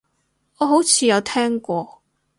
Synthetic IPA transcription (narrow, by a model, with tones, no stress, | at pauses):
ɔː˨˧ɦo˨˥wt͡sʰiː˨˧jɐ˨˧wt̪ʰɛː˥ŋkʷɔː˧